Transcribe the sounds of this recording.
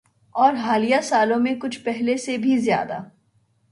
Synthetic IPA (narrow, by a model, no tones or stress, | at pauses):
ɔːɾɦaːlijasaːlõmẽkʊt͡ʃʰpɛɦlesebʱizja̰ːd̪a̰ː